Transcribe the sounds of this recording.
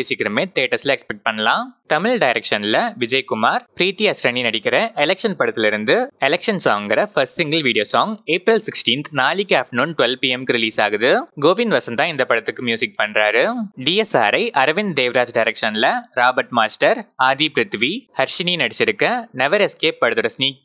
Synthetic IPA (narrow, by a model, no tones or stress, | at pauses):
ɪsɪkːɪɾɐmeːt̪eːʈːɐsɪlɐɛkspɛk̚ʈ̚pɐɳːɐlãːt̪ɐmɪɭɖɐɪɾɛkʂɐnlɐʋɪd͡ʒɐɪkʊmaːɾpɾiːt̪iɐsɾɐɳinɐɽɪkːɪɾɐʔɛlɛkʂɐnpɐɽɐt̪ːɪlɪɾɯnd̪ɯɛlɛkʂɐnsaːŋɡɪɾɐfɐsʈsɪŋɡɐlʋiːɽɪjoːsaːŋɡeːpɾɐlsɪksʈĩːnt̪naːlɪkːɯaːfʈnuːnʈʋɛlpiːɛmkɯɾɪliːsaːɣɐðɯɡoːʋɪnʋɐsɐ̃nd̪ãːɪnd̪ɐpːɐɽɐt̪ːɯkːɯmjuːsɪk̚pɐɳɾaːɾɯɖiːɛsa̰ːɾɐɪʔɐɾʋɪnd̪eːʋɾaːd͡ʒɖɐɪɾɛkʂɐnlɐɾaːbɐɾʈmaːsʈɐɾaːðipɾɯt̪ʋihɐɾʂɪninɐɽɪt͡ʃːɪɾɯkːɐnɛʋɐɾɛskeːpːɐɽɯðɯɾɐsniːk̚